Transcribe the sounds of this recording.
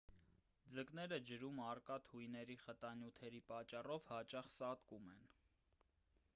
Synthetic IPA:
d͡zəknɛɾəd͡ʒəɾumɑrkɑt̪ʰhujnɛɾiχət̪ɑnjut̪ʰɛɾipɑt͡ʃːɑrɔvhɑt͡ʃɑχsɑt̪kumɛn

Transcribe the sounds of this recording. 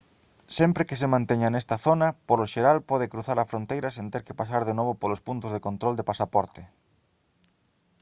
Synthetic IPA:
sɛmpɾɪkɪs̬ɪmãnt̪eɲɐnɛst̪ɐθonɐpoloʃeɾalpɔð̞ɪkɾuθaɾɐfɾont̪ejɾɐsẽnt̪eɾkɪpasaɾðenoβopolospunt̪ozðekont̪ɾold̪epasapɔɾt̪ɪ

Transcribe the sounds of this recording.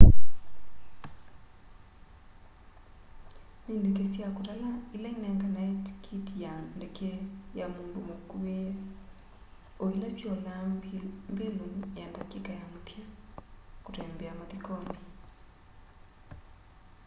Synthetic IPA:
nindekesjakutalailainɛŋɡanaitkʰitijandekejamoːndomokue | oilatiɔlambelunjandakikajamupja | kutɛmbeamaðikɔni

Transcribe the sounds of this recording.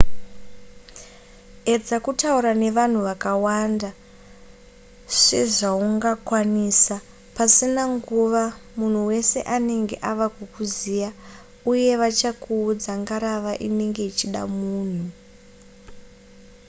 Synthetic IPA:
e̞d͡zakutauɾane̞ʋan̤uʋakawanda | ʂe̞ʐauŋɡakwanisa | pasinaŋɡuʋamun̤uwe̞se̞ʔane̞ŋɡe̞̰ʔaʋakwukuzija | uje̞ʋat͡ʃakuːd͡zaŋɡaɾaʋaʔḭne̞ŋɡe̞it͡ʃiɗa̰muːn̤u

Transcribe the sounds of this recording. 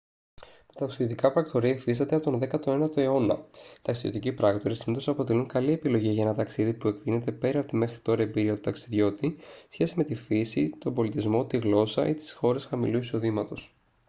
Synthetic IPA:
t̪ɐ̥t̪ɐksiðiot̪ikɐpɾɐkt̪o̞ɾiɐfist̪ɐt̪eɐpot̪o̞nðe̞kɐt̪o̞nenɐt̪o̞eo̞nɐ̰t̪ɐksiðijo̞̰t̪icipɾɐkt̪o̞ɾisimit̪osɐpo̞t̪e̞luŋkɐlie̞pilo̞ʝiʝɐenɐt̪ɐksiðipue̞kt̪ine̞t̪e̞pe̞ɾɐpot̪ime̞xɾit̪o̞ɾɐebiɾiɐt̪ut̪ɐksiðʝo̞t̪isçe̞sime̞t̪ifisit̪o̞mbo̞lit̪izmo̞t̪iɣlo̞sɐ̰ʔit̪i̥sxo̞ɾe̞sxɐmḭluiso̞ðimɐt̪o̞s

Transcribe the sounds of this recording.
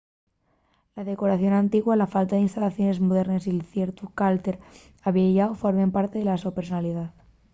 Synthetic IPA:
laðe̞ko̞ɾaθjo̞nãnt̪iɣwalafalt̪aðinst̪alaθjo̞ne̞zmoð̞e̞ɾnesilθjeɾt̪ukalt̪e̞ɾ | aβieʝaofoɾmempaɾt̪eðelasopeɾsonaliðað

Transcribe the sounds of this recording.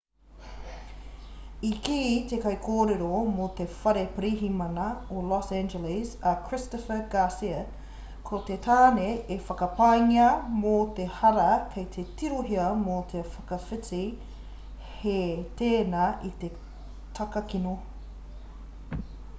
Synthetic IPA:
ikiːt̪ekɐjkʰoːɾeɾomot̪efɐɾepɾiɦimɐnɐolɔsænd͡ʒɛlɪsɐkʰɾɪstofəɡasiɐ | kʰot̪etʰaːneʔːfɐkɐpɐjŋiɐmot̪ehɐɾɐkʰejt̪ʰetiɾoɦiɐmot̪ʰefɐkɐfɪt͡si | het̪eːnaʔit̪e | tʰɐkɐkino

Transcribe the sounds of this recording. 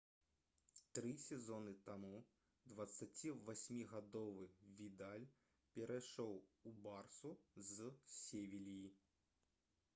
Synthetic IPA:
t̪ɾɨsʲɛzɔnɨt̪amu | d̪vɐt̪sːat͡sʲivasʲmʲiɣad̪ɔvɨvʲid̪alʲ | pʲɛɾʔajʂɔwubarsuzsʲevʲilʲiji

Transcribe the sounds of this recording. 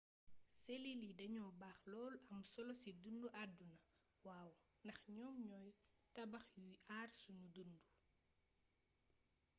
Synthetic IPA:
selilidɐɲɔbaːxlɔːlɐmsɔlɔsidunduʔadunɐ | waːw | ndɐxɲɔːmɲɔːjtɐbɐxjujaːrsunudundu

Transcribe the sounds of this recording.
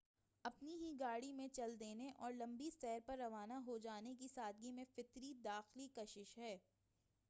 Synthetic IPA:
ɐpniɦiɡaːɽimẽt͡ʃɐld̪eːneʔɔːɾlɐ̃mbisɛːɾpɐɾːɐʋaːnaɦod͡ʒaːnekisaːd̪̚ɡimẽfɪt̪ɾid̪aːxlikɐʃɪʃɦɛː

